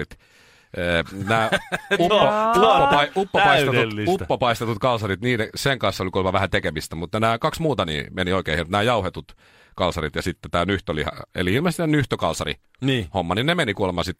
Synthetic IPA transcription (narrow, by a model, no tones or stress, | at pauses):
it̪ | əːnæːuoupːopɑiupːopɑist̪et̪ulːiut̪ːopɑist̪et̪ut̪kɑlsɑrit̪niːdeseŋkɑnsːolikulmɑʋæhæt̪ekeʋist̪æmut̪ːɑnæːkɑksmuːt̪ɑnḭːmenioikeːhimt̪næːjɑuhet̪ut̪ | kɑlsɑrit̪jɑsit̪ːet̪æːnyht̪ølḭhɑ̰ḛliilmɑst̪inyht̪økɑlsɑrḭ | nihomːɑninemenikuolemɑsit̪